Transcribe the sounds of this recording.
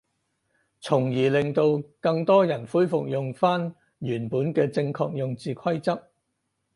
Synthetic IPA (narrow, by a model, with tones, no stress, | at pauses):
t͡sʰʊ˨˩ŋjiː˨˩lɪ˨ŋt̪o˧wkɐ˧ŋt̪ɔː˥jɐ˨˩nfuː˥jfʊ˨k̚jʊ˨ŋfaː˥n | jyː˨˩npuː˨˥nkɛː˧t͡sɪ˧ŋkʰɔː˧k̚jʊ˨ŋt͡siː˨kʰɐ˥jt͡sɐ˥p̚